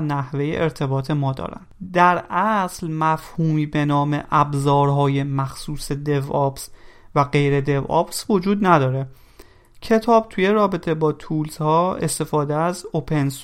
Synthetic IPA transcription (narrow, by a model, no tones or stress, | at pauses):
næhve̞jḛʔeɾt̪ʰe̞bɒːt̪ʰe̞mɒːd̪ɒ̰ːɾæ̰nd̪̥d̪æɾæslmæfhuːmiːbe̞nɒːme̞̰ʔæbzɒːɾɦɒːje̞mæxsuːse̞d̪e̞vɒpsvæɣe̞jɾe̞d̪e̞vɒ̰ːpsvo̞d͡ʒuːd̪næd̪ɒːɾe̞ | cʰe̞t̪ʰɒːb̚t̪ʰuje̞ɾɒːbe̞t̪ʰe̞bɒːt̪ʰuːlzhɒːe̞̰st̪e̞fɒːd̪eæzo̞pʰe̞ns